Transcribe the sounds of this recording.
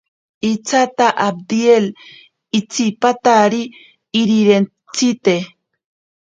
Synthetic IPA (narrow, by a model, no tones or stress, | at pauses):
it͡sat̪aʔab̚d̪iel | it͡sipat̪aɾiː | ɾiɾen | t͡sit̪e